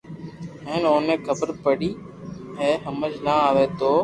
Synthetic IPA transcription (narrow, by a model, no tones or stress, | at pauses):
ɛ̃ːnoːnẽːkʰəbəɾpəɽiː | ẽːɦəməd͡ʒnaːaːʋeːt̪oː